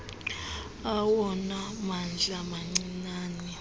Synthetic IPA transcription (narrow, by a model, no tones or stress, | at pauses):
awɔnamand͡ɮʱamaŋ͡ǀinaːni